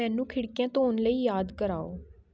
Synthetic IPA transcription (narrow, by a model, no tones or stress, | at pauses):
ɛ̃ːnũːkʰɪɽkijãːt̪õːʊnləiːjaːd̪kəɾaːo̰ː